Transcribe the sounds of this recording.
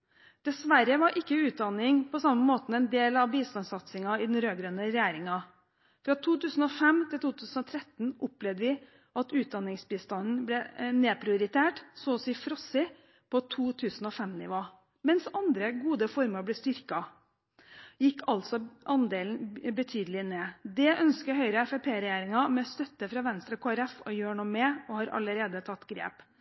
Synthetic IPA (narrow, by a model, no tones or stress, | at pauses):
d̪̥ɛsʋæɾəʋɑɾʔɪkːəʉːt̪̚d̪ɑnɪŋpɔsɑmːəmoːt̪n̩ɛnd̪eːlɑʋbiːst̪ɑnsɑt̪sɪŋɑɪd̪ɛnɾøːɡɾœnəɾɛjæːɾɪŋɑ | fɾɑt̪ʰuːt̪ʉːsn̩ɔfɛmt̪ʰɪlt̪uːt̪ʰʉːsn̩ɔt̪ʰɾɛt̪n̩ʊplɛʋd̪əʋɪ | ʔɑt̪ʉːt̪̚d̪ɑnɪŋsbiːst̪ɑnn̩blɛneːpʰɾɪʊɾɪt̪ʰeːʈsoːɔsiːfɾɔsɪ | pʰɔt̪ʰuːt̪ʰʉːsn̩ɔfɛmnɪʋoː | mɛnsɑnd̪ɾəɡuːd̪əfɔɾməɾblɛːst̪ʏɾkɑ | jɪkːɑlt̪sɔʔɑnd̪eːln̩bət̪ʰyːd̪əlɪneːd̪ɛʔœnskəɦœʏɾəɛfɛpʰeːɾɛjeːɾɪŋɑmɛst̪œt̪ːəfɾɑːʋɛnst̪ɾɔkʰoːæɾɛfɔjøːɳɔmeːɔhɑɾʔɑ̰ləɾeːd̪ət̪ʰɑt̪ːɡɾḛːp